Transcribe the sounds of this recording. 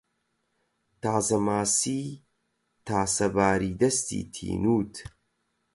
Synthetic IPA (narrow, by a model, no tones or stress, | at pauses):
t̪aːzɐmaːsiː | t̪ʰaːsɐbaːɾiːd̪ɐst̪ḭːt̪ʰḭːnuːt̪ʰ